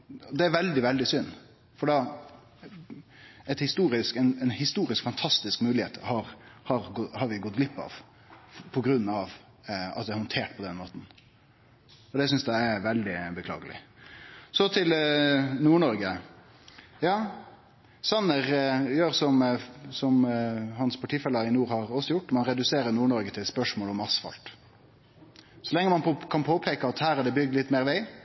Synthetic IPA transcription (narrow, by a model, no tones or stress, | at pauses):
ɔd̪ɛæɾʋɛld̪ɪʋɛld̪ɪsʏnː | fɔɖɑ | ɛt̪hɪst̪uːɾɪskɛnɛnhɪst̪uːɾɪskfɑnt̪ʰɑst̪ɪskmʉːlɪheːt̪hɑɾhɑɾhɑɾʋɪɡɔt̪̚ɡlɪpːɑ̰ʋ | pʰɔɡɾʉnːɑʋ | ɑ̰t̪̚ɛːɾhɔnt̪ʰeːʈpʰɔd̪ɛnmoːt̪n̩ | ɔd̪ɛsʏnsd̪æɪæɾʋɛld̪ɪbəkʰlɑ̰ːɡəlɪ̰ | sɔt̪ʰɪlnuːɳɔɾɡə | jɑː | sɑnːəʁjøːɾsɔmsɔmhɑnspʰɑʈʰiːfɛlːəɾɪnuːɾhɑɾɔsːɔjʊʈːmɑnɾɛd̪ʉseːɾəɾnuːɳɔɾɡət̪ʰɪlspœʂmoːlɔmɑsfɑ̰lt̪ | sɔlɛŋːəmɑnkʰɑnpʰoːpʰeːkəɑt̪hæːɾæɖɛbʏɡd̪lɪt̪ːmeːɾʋæɪ